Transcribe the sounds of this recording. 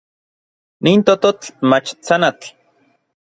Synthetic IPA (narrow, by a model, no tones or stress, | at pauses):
niːnt̪ot̪ot͡ɬmat͡ʃt͡sanat͡ɬ